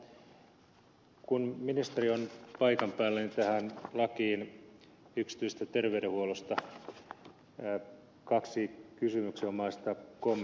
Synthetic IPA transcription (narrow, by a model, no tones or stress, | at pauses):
kunminist̪erionpɑikɑmpæːlːænit̪æhænlɑkiːn | yksi̥t̪yises̆t̪æt̪erʋeyɾehuolost̪ɑ | kɑksikysymyksiomɑist̪ɑkom